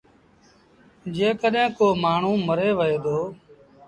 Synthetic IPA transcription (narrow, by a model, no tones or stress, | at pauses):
d͡ʒeːkəɗɦẽːkoːmaːɳ̤ũːməɾeːʋəeːd̪oː